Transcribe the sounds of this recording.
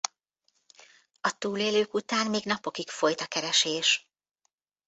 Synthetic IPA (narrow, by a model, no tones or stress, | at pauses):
ɒt̪uːleːløːkut̪aːnmeːɡnɒpo̞kikfo̞jt̪ɒkɛɾɛʃeːʃ